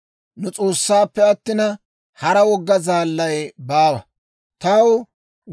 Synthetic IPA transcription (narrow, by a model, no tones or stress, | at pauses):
nʊt͡sʼo̞ːsːaːpːɛɐt̪ːɪnɐ | hɐɾɐwɔɡːɐzaːlːɐjbaːwɐ | t̪ɐw